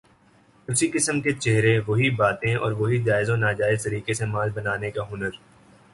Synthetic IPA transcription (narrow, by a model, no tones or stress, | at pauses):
ʊsikɪsəmket͡ʃeɦɾeʋoɦibaːt̪ẽɔ̰ːɾʋoɦid͡ʒaːɪzõnaːd͡ʒaːɪzt̪ɐɾiːkesemãːlbɐnaːnekaɦʊnəɾ